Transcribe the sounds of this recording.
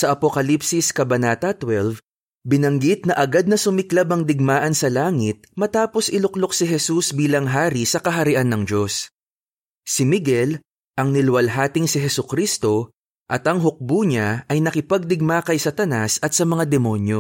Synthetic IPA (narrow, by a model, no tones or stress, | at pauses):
sɐʔɐpokɐlipsɪskɐbɐnaːt̪ɐt̪wɛlv | bɪnɐŋɡit̪̚nɐʔɐɡad̪̚nɐsʊmɪklabɐŋd̪ɪɡ̚maːʔɐnsɐlaːŋɪt̪̚mɐt̪aːpo̞sʔɪlʊklo̞k̚sɪɦɛsusbiːlɐŋɦaːɾisɐkɐɦɐɾɪʔanːɐŋd͡ʒo̞s | sɪmɪɡɛl | ʔɐŋnɪlwɐlɦaːt̪ɪŋsɪɦɛsʊkɾist̪o̞ | ʔɐt̪ɐŋɦʊk̚buːɲaɐjnɐkɪpɐɡ̚d̪ɪɡ̚makɐjsɐt̪ɐnasɐt̪̚sɐmɐŋad̪ɛmo̞njo̞